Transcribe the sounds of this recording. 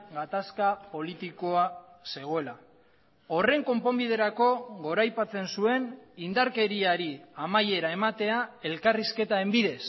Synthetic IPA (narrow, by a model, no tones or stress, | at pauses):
ɡat̪askapo̞lit̪iko̞ase̞ɣ̞o̞e̞la | o̞re̞ŋko̞mpo̞mbið̞e̞ɾako̞ɣo̞ɾajpat͡se̞nsue̞nind̪aɾke̞ɾiaɾiamaje̞ɾae̞mat̪e̞ae̞lkariske̞t̪ae̞mbiðe̞s